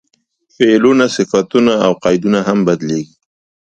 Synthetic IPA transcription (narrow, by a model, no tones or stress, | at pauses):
felunasɪfat̪unaːwqɑjd̪unaɦambad̪leɡi